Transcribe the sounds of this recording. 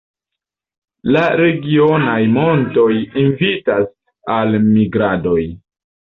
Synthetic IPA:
laɾe̞ɡio̞najmo̞nto̞jinvitas | almiɡɾado̞j

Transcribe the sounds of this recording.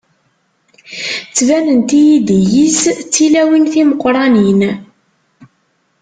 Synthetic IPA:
t͡sːvænənt̪ijid̪ijist͡sːilæwinθiməqːɾˤɑnin

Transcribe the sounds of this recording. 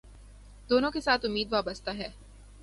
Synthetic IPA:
d̪oːnõkesaːt̪ʰʊmːiːd̪ʋaːbəst̪aɦɛː

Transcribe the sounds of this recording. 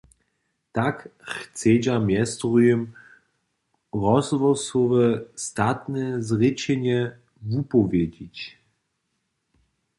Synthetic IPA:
t̪akxt͡sɛd͡ʑamjɛst̪ʁujəm | ʁɔzvɔsɔvɛst̪at̪nɛzʁɪt͡ɕɛɲɛ | vupɔvʲjɛd͡ʑit͡ɕ

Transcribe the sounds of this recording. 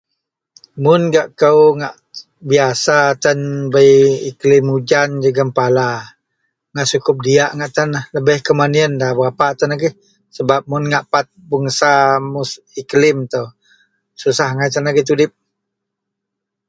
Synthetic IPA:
mʊnɡaʔkəwŋaʔ | biasat̪ənbəjiklɪmud͡ʒand͡ʒəɡəmpala | ŋaʔsukʊp̚diaʔŋaʔt̪ənahləbəhkəmaniəndabəɾapat̪ənaɡɪh | səbap̚mʊnŋaʔpat̪̚bəŋsamus | iklɪmt̪əw | susahŋajt̪̬ənaɡiht̪̬udɪp̚

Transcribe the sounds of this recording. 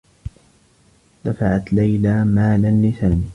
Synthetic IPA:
d̪̥afaʕat̪lajlaːmaːlanlɪθanɪ

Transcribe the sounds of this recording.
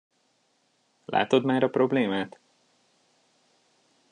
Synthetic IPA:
lʔa̰ːt̪o̞d̪maːɾɒpɾo̞bleːmaːt̪

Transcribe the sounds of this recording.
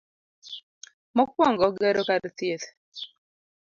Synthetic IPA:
mɔk̚wɔŋɡɔɡɛɾokadt̪jet̪

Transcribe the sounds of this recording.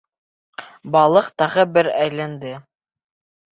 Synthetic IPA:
bɑlˠɤqt̪ɑʁɤbɘɾæjlænd̪ɘ

